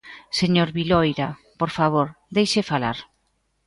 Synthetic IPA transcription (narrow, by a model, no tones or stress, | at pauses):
seɲoɾβilojɾa | poɾfaβoɾ | d̪ejʃefala̰ɾ